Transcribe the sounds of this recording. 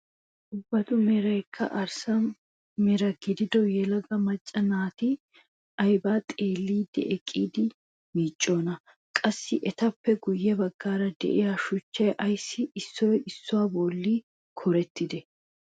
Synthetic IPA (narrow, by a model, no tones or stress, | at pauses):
ʔʊbːɐt̪ʊmɛɾɐjkʰːɐ̰ʔɐɾsɐ | mɛɾɐɡɪd̪ɪd̪ɔjɛlɐɡɐmɐt͡ʃʼːɐnaːt̪ɪ | ʔɐjbaːt̪ʼe̞ːlːiːd̪ɛ̰ʔɛkʼːiːd̪ɪ | miːt͡ʃʼːo̞ːnɐ | kʼɐsːɪʔɛt̪ɐpːɛɡʊjːɛbɐɡːaːɾɐd̪ɛ̰ʔɪjaːʃʊt͡ʃːɐjʔɐjsːɪɪsːɔjɪsːʊwaːbɔːlːiː | kʰɔɾɛt̪ːɪd̪ɛ